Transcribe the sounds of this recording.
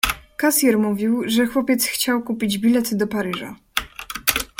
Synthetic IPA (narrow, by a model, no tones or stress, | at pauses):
kasjɛɾmuvʲiwʐɛxwɔpʲjɛt̪sxt͡ɕawkupʲid͡ʑbʲilɛt̪d̪ɔpaɾɘʐa̰